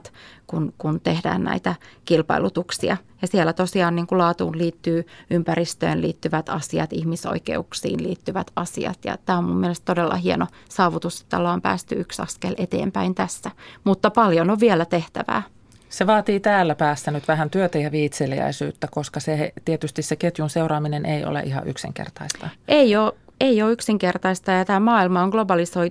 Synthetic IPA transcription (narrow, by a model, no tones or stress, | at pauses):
t̪kunkunt̪ehdæ̰ːnnæ̰it̪ækilpɑ̰ilut̪uksiɑjɑsielːæt̪osiɑːnniːŋkulɑːt̪ṵːnliːt̪ːyːympærist̪ø̰ːnlḭːt̪ːyʋæt̪ɑsiɑ̰t̪ihmiso̰ikḛuksḭːnliːt̪ːyʋæt̪ɑsḭɑ̰t̪jɑ̰t̪æːommumːielest̪todelːɑ̰hienosɑːʋut̪use̥t̪ːɑlːɑːmpæ̰ːst̪yyksɑ̰skelʔet̪ḛːmpæint̪æsːæmut̪ːɑpɑljonoʋʋielæt̪eht̪æ̰ʋæ̰ː | seʋɑːt̪iːt̪æːlːæpæːsːænyt̪ʋæhænt̪yøt̪æjɑʋiːt̪seliæ̰isy̰ːt̪ːækoskɑset̪iet̪yst̪isseket̪junseuɾɑːminenʔeio̰lḛʔihɑ̰ʔyksḭŋkḛrt̪ɑist̪ɑʔeioːeioːyksiŋkert̪ɑist̪ɑjɑt̪æːmɑːilmɑoŋɡ̥lobɑlisoi